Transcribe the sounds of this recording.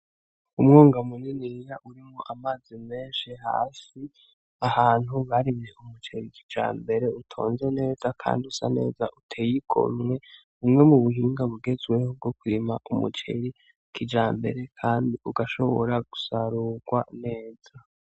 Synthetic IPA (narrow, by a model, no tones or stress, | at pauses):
umŋoːŋɡamuninijaʔuɾimŋoʔamaːz̥ime̞ːnʃiɦa̰ːsi | ahaːn̥huβaɾiβjeʔumut͡ʃeɾikʰi̥d͡ʒa̰ːmbe̞ɾe̞utʰo̞̰ːnze̞ne̞ːzakʰa̰ːndiusa̰ne̞̰ːza̰ʔutʰejikʰo̰mŋe̞ | umŋe̞muβuɦiːŋɡaβuɡe̞zwe̞hob̚ɡo̞kuɾimaʔumṵt͡ʃḛɾi | kʰid͡ʒaːmbe̞̰ɾe̞kʰaːndiʔuɡaʃo̞̰βo̰ɾaɡ̥u̥saɾuɡ̥wane̞ːz̥a